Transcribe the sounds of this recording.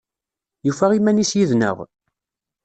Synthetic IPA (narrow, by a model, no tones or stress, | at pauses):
jufæʁimænisjiðnə̰ʁ